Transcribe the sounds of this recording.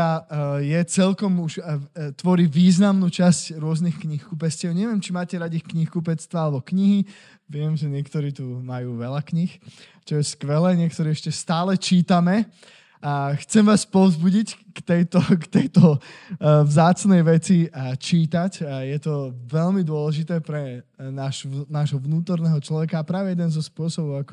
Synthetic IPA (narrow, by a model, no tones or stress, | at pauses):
ajɛt͡sɛlkɔmuʒt̪ʋɔɾiʋiːznamnuːt͡ʃascɾʊɔznixkɲixkupɛscɪɛʊɲɛʋɪɛmt͡ʃimaːcɛɾaɟixkɲixkupɛt͡st̪ʋaalɛbɔkɲiɦi | ʋɪɛmʒɛɲɪɛkt̪ɔɾiːt̪umajuːʋɛʎakɲix | t͡ʃɔjɛskʋɛlɛːɲɪɛkt̪ɔɾiɛʃcɛst̪aːlɛt͡ʃiːt̪amɛ | axt͡sɛmʋaːspɔʊzbuɟic | kt̪ɛjt̪ɔkt̪ɛjt̪ɔ | vzaːt͡snɛjʋɛt͡sit͡ʃiːt̪acjɛt̪ɔʋɛlmid̪ʊɔlɛʒit̪ɛːpɾɛnaʃnaːʒɦɔʋnuːt̪ɔɾnɛːɦɔt͡ʃlɔʋɛkaːpɾaːʋɛjɛd̪ɛnzɔspʊɔsɔbɔʊakɔ̥